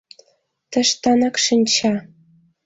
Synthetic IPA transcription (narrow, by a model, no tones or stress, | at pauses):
t̪ə̆ʃt̪ɑnɑkʂɘnʲt͡ɕɑ